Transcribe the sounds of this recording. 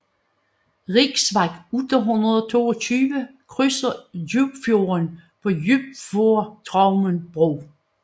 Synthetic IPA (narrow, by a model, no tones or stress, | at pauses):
ʁiɡ̥sʋɑ̈ɡ̥ud̥ɐɦunʁɐðˠɒt͡sʰo̝̰ːɒt͡sʰyːʋəkʰʁysɐjub̥fjo̝ːɐnpʰɒ̽jyb̥̚fo̝ɐt͡sʰʁɑ̈ʊmənb̥ʁoː